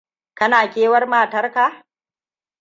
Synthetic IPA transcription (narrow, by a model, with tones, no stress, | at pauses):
kɐ˦naː˨kʲeː˦wɐ˦rmaː˨tɐ˦rka˨